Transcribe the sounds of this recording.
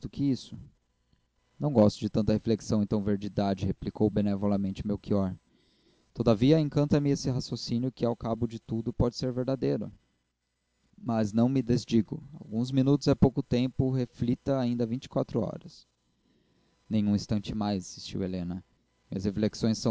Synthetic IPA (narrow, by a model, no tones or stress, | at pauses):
d̪ʊkɪisʊ̥ | nɐ̃w̃ɡɔst̪ʊd͡ʒɪt̪ɐ̃t̪ɐhefleksɐ̃w̃ẽnt̪ɐ̃w̃veɾd͡ʒid̪ad͡ʒɪheplikowbenevolɐmẽnt͡ʃɪʊmewkiɔɾ | t̪od̪ɐviɐẽkɐ̃nt̪ɐmɪesɪɦasjosinjʊkɪawkabʊd͡ʒɪt̪ud̪ʊpɔd͡ʒɪseɾveɾd̪ad̪ejɾʊ̰ | mɐznɐ̃w̃mɪd̪ezd͡ʒiɡʊ̰a̰wɡũzmĩnut̪ʊzɛpowkʊt̪ẽmpʊɦeflit̪ɐaĩnd̪ɐvĩt͡ʃɪ̥kwat̪ɾʊɔ̰ɾɐs | nẽj̃ũĩst̪ɐ̃nt͡ʃɪmajzasist͡ʃḭwelẽnɐ | mĩɐshefleksõj̃sːɐ̃